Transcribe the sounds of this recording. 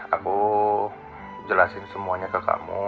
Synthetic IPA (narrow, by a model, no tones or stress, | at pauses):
aku | d͡ʒəlasɪnsəmuaɲakaka̰mu